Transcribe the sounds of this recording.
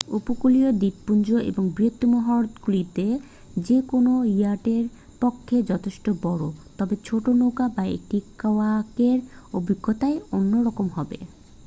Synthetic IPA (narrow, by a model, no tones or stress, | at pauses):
upokuliod̪ipːund͡ʑoʔḛboŋbɾiot̪ːomɔɦɔɾt̪ɡulit̪e | d͡ʑekonoiaʈeɾ | pokʰːed͡ʑɔt̪ʰeʃʈobɔɽot̪ɔbet͡ɕʰoʈonoɡabaḛk̚ʈikaoakeɾobiɡʱːot̪aeonːoɾɔkomɦɔbḛ